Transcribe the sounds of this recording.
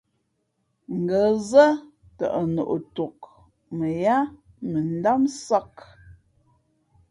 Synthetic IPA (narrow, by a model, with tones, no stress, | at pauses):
ŋ̩˨ɡə˨˦zə˦ | tə̰˨ʔə˨no̰˨ʔo˨to˨k̚ | mə˨ja˦ | mə˨n̩˦da˦msa˦k